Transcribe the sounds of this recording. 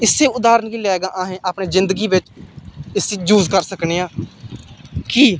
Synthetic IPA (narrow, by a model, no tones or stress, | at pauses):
ɪsːeːʊd̪aːɾənkiːlɛːɡaːʔaːɦẽːʔaːpneːzɪ̃nd̪əɡiːʋɪt͡ʃɪseːd͡ʒuːzkəɾsəkneːãː | kiː